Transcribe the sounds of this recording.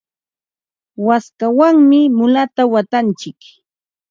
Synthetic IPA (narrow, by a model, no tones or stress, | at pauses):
waskawaŋmɪmʊlat̪awat̪ant͡ʃɪk